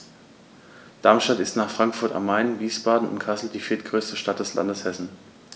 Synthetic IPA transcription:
d̥aɐmʃtatɪstnaːχfʁ̥aŋkfʊɐta̰maɪnviːsb̥aːdn̩ʊ̰ntkʰasl̩diːfiːɐtɡ̥ʁøːstəʃtat̚d̥ɛsla̰ndəshɛsn̩

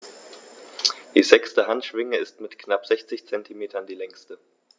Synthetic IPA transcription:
d̥iːzɛkstəɦantʃv̥ɪŋəɪstmɪtknapz̥ɛçt͡sɪçt͡sɛntʰimeːtʰɐndiːlɛŋstə

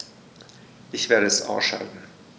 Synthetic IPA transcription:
ʔɪçv̥eːɐɾəɛsʔa̰ʊsʃa̰ltn̩

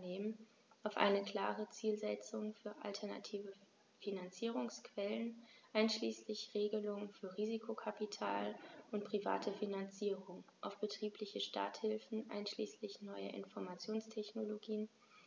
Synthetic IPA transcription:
neːmən | ʔaʊfʔa̰ɪnəkl̥a̰ːʁət͡siːlzɛt͡sʊŋfyːɐʔa̰ltʰɛɐna̰tʰiːvə | finant͡siːʁ̞ʊŋskv̥ɛlənʔaɪnʃliːslɪçʁeːɡəlʊŋənfyːɐʁiːzikʰokʰapitʰa̰ːlʔʊntpʁ̥iva̰ːtʰəfinant͡siːʁʊŋʔaʊfb̥ətʁ̥iːplɪçəʃta̰ːɐthɪlfn̩ʔa̰ɪnʃlḭːslɪçnɔʏə̰ʔɪ̰nfɔɐmat͡sjoːnstʰɛçnoloɡiːən

